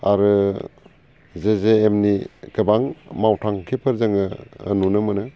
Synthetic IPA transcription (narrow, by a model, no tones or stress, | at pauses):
aɾɯ | zezeːmnikɯbaŋmawtʰaŋkʰipʰɯɾzɯŋɯːnunɯmɯnɯ